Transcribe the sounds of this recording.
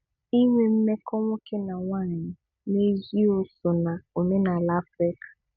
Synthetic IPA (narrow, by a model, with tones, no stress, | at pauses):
i˦ŋʷe˨m̩˦me˦kʰɔ˦ŋʷo˦ke˦na˨ŋʷa˦˨ɲɪ˨ | ne˦zi˦o˦so˨na˨o˨me˦na˨la˦fɾɪ˦kḁ˨